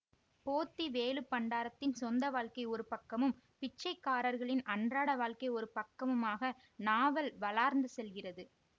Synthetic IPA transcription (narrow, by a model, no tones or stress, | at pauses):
poːt̪ːiʋeːlɯpːɐɳɖaːɾɐt̪ːɪnsɔnd̪ɐʋaːɭkɐɪɔɾɯpɐkːɐmɯm | pɪt͡ʃːɐɪkːaːɾɐɾɣɐɭɪnɐɳdraːɽɐʋaːɭkɐɪɔɾɯpɐkːɐmɯmaːɣɐ | naːʋɐlʋɐlaːɾnd̪ɯsɛlɣɪrɐðɯ